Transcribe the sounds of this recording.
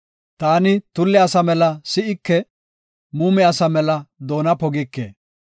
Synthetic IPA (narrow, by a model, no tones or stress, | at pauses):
t̪aːnɪt̪ʊlːɛɐsɐmɛlɐsɪʔɪkːɛ | muːmɛɐsɐmɛlɐd̪o̞ːnɐpɔɡɪkːḛː